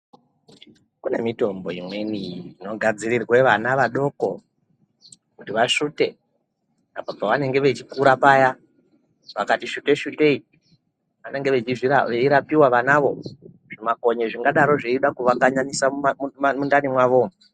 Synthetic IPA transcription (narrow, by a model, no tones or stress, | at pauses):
kune̞mito̞mbo̞imwe̞niino̞ɡʱad͡ziɾirwe̞ʋanaʋaɗo̞ko̞ | kutiʋaʃute̞ | apapaʋane̞ŋɡe̞ʋet͡ʃikuɾapaja | ʋakatiʃute̞ʃute̞i | ʋane̞ŋɡeʋet͡ʃiʐiaʋeiɾapiwaʋanaʋo̞ | ʐ̥imako̞ɲeʐiŋɡaɗaɾo̞ʐeiɗakuʋakaɲaɲisamundanimwaʋo̞